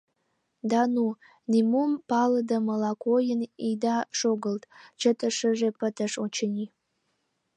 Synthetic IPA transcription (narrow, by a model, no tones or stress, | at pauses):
danu | nimumpʰalɨdamalakʷʰojɪnidaʂoɡɨltʼt͡ʃʰɐtʰʼɨʂɨʐepʰɨtʰɐʂot͡ʃʰɪni